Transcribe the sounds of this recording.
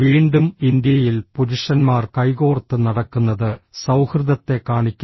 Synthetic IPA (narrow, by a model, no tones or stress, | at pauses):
ʋiːɳɖumind̪jɐjilpuɾuʂɐnmaːrkɐjɣo̞ːrt̪ːɨnɐɽɐkːunːɐðɨsɐwhrɨðɐt̪ːe̞kaːɳikʲːu